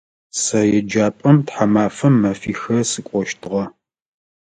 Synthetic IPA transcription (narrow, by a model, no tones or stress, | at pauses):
sɐjɛd͡ʒaːpʼɐmtħamaːfɐmːɐfiːxɐsɨkʷʼɔʃtʰɨʁɐ